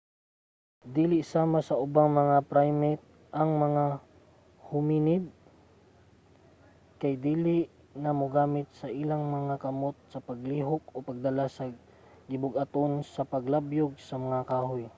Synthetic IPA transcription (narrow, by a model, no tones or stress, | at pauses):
d̪iːlɪʔsaːmasɐʔʊbaŋmɐŋapɾajmɛt̪̚ | ʔɐŋmɐŋa | hʊminɪd̪̚ | kajd̪iːlɪʔ | nɐmʊɡaːmɪt̪̚sɐʔɪlaŋmɐŋakɐmot̪̚sɐpɐɡliːɦʊk̚opɐɡ̚d̪ɐlasɐ | ɡɪbʊɡʔɐt̪onsɐpɐɡlabjoɡ̚sɐmɐŋakaːɦoj